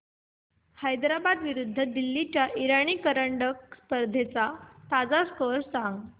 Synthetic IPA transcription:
hajd̪ɾabad̪ʋiɾud̪ʱːəd̪ilːit͡ɕjaʔiɾaɳ̃iːkəɾəɳɖəkspəɾd̪ʱet͡sat̪ad͡zaskəɾsaŋɡ

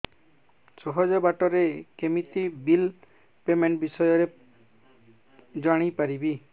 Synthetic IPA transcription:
t͡ʃoɦɔd͡ʒɔbaʈɔɾekemit̪ibil | pemeɳʈbisɔjɔɾe | d͡ʒaɽ̃ijpaɾibi

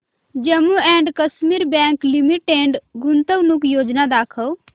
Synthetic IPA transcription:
d͡ʒəmːuɛ̃ːɳɖkəsmiːɾbɛ̃ːŋklimiʈːeːɳɖɡʊnt̪əʋnukjoːd͡ʒnad̪aːkʰəw

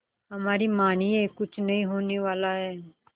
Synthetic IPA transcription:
ɦəmaːɾiːmaːniːɛːkʊt͡ʃʰnəĩːɦoːneːʋaːlaːɦɛː

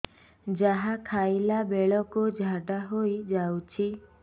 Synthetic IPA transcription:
d͡ʒaɦakʰajlabeɭɔkud͡ʒʱaɖaɦojd͡ʒawt͡ʃʰi

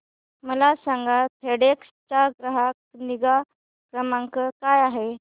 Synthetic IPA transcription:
məlasãŋɡatʰeɽekst͡ɕaɡɾəɦakniɡa | kɾəmãŋkəkajaɦe

